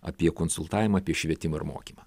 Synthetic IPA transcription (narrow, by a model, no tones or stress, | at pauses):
ɐ̰pʲiɛkoːnsʊlˠt̪ɑːʋʲɪmɐːpʲiɛʃʲʋʲiɛt̪ʲɪmɐɪ̰ɾmo̰ːkʲiːmɐ